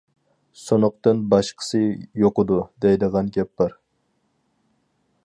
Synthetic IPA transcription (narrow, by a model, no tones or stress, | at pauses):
sonʊq̚t̪ɨnbɑʃqʰə̥sɨjoqɨd̪ud̪ɛjd̪ɨʁɑnɡʲɛpːɑɾ